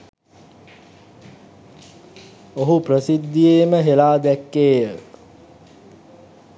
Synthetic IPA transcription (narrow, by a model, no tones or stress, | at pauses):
oɦuprəsid̪ːijeːməɦelaːd̪ɛkːeːjə